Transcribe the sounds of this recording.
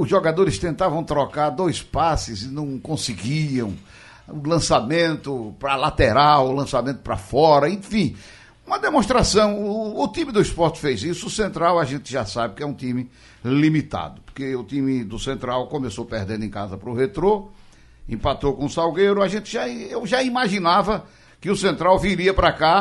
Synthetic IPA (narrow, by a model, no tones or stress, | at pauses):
ʊzʒoɡad̪oɾɪst̪ẽnt̪avɐ̃w̃t̪ɾɔkaɾd̪ojspasɪzɪnɐ̃w̃kõsɪɡiɐ̃w̃ | ʊlɐ̃samẽnt̪ʊpɾɐlat̪eɾawʊlɐ̃samẽnt̪ʊ̥pɾɐ̰fɔɾɐẽfĩ | ũmɐd̪emõʃt̪ɾasɐ̃w̃ːt̪ĩmɪd̪ʊispɔɾt̪ɪ̥fejzisʊʊsẽnt̪ɾawɐʒẽnt̪ɪʒasabɪkɪɛũt̪ĩmɪ | limit̪a̰d̪ʊpʊ̥ɾkeʊt̪ĩmɪd̪ʊsẽnt̪ɾawkõmesopeɾd̪ẽnd̪ẽkazɐpɾʊhet̪ɾo | ḛ̃pat̪owkõʊsawɡejɾʊaʒẽnt̪ɪʒaewʒaimaʒinavɐ | kɪʊsẽnt̪ɾawviɾiɐpɾaka